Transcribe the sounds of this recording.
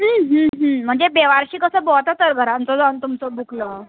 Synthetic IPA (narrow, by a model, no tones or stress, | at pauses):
ɦəːɦə̃ɦə̃m̤əɳd͡zebeʋaɾɕiːkəsəːbot̪at̪əɾɡʱəɾant͡s̪əd͡zaunt̪umt͡səbʱukʰlə